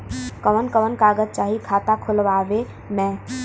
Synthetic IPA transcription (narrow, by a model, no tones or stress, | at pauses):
kəʋənkəʋənkaːɡəd̪̚t͡ʃaːɦikʰaːt̪akʰʊlʋaːʋe | mɛ̃ː